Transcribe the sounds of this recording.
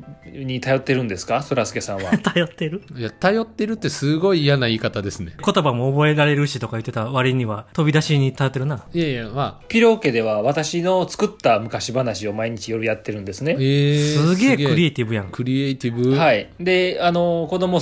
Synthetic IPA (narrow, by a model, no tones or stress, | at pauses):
ɲ̟it̪ajo̞t̪ːe̞ɾɯ̟̃nd̪e̞sɨ̥kasoɾasɨ̥ke̞sãɰ̃βat̪ajo̞t̪ːeɾɯ̟jat̪ajo̞t̪ːe̞ɾɯ̟t̪ːe̞sɨɡo̞iːjanaiːkat̪ad̪e̞sɨne̞ko̞t̪o̞bamo̞ːbo̞e̞ɾaɾe̞ɾɯ̟ɕit̪o̞kajɯ̟t̪ːe̞t̪aβaɾʲiɲ̟iβat̪o̞bʲid̪aɕiɲ̟it̪ajo̞t̪ːeɾɯnaemapʲiɾo̞ːke̞d̪e̞βaβat̪aɕino̞t͡sɨ̥kɯ̟t̪ːamɯ̟kaɕibanaɕio̞maiɲ̟it͡ɕijo̞ɾɯjat̪ːe̞ɾɯ̟̃nd̪esɨne̞esɨɡe̞ːɡkɯ̟ɾʲiet̪ʲibɯ̟jãŋkɯ̟ɾʲiet̪ʲibɯ̟haid̪e̞ano̞ko̞d̪o̞mo̞